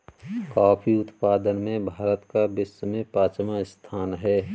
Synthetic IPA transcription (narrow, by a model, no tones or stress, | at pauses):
kaːpʰiʊt̪paːd̪ənmẽbʱaːɾət̪kabɪsmẽpaːt͡ʃmaɪst̪ʰaːnɦɛː